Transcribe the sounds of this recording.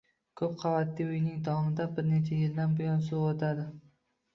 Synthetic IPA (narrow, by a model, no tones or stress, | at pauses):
kʰɵpqʰavat̪ːiʊjnɪŋd̪ɒmɪd̪abɪɾne̞t͡ʃʰajɪld̪anbʊjɒnsuot̪ʰad̪ɪ